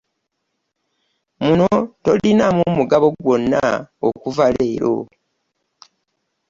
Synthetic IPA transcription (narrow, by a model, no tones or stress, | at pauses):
munoto̞linamumuɡaβo̞ɡwo̞nːa̰o̰kuvaleːɾo̰